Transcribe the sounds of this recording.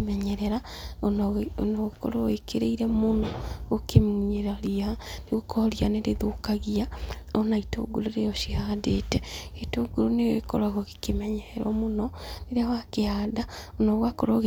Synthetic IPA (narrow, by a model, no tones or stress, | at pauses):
mɛɲɛɾɛɾanonɔɣkɔ̰ɾɔekʰeɾeiɾɛmonɔɣokemuɲeɾaɾianeɣokɔɾianeɾeðokaɣiaɔnaito̰ɡoɾoɾejɔʃihaːdetɛetoɡoɾoneɣekɔ̰ɾaɣoɣekemɛɲɛɾɛɾwɔmonɔneɾeawakehaːdaonɔɣwakɔɾɔɣ